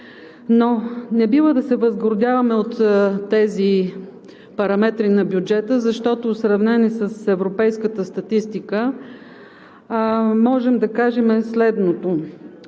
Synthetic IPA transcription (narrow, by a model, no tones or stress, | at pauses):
nonɛbivəd̪ɐsɛvəzɡoɾd̪ʲjavɐmɛot̪ːɛzi | pɐɾɐmɛt̪ɾinɐbjud͡ʒɛt̪əzɐʃt̪ɔt̪osɾɐvnɛnisəsɛvɾopɛjskət̪əst̪ɐt̪ist̪ikə | mɔʒɛmd̪ɐkaʒɛmɛslɛd̪not̪o